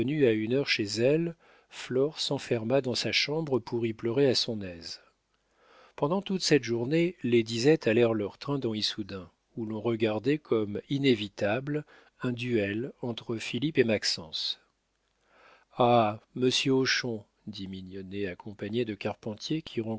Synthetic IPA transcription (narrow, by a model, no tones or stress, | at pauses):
ənyaynœʁʃezɛl | flɔʁsɑ̃fɛʁmad̪ɑ̃saʃɑ̃bʁəpʰuʁiplœʁeasɔ̃nɛz | pɑ̃d̪ɑ̃t̪ut̪sɛt̪ʒuʁneled̪izɛt̪ʰalɛʁlœʁt̪χɛ̃d̪ɑ̃isud̪ɛ̃ | ulɔ̃ʁəɡaʁd̪ɛkʰɔminevit̪abl | ɛ̃d̪yɛlɑ̃t̪χəfilipemaksɑ̃s | aməsjøoʃɔ̃ | d̪iminjɔneakɔ̃paɲed̪əkaʁpɑ̃t̪jekʲʰiʁɑ̃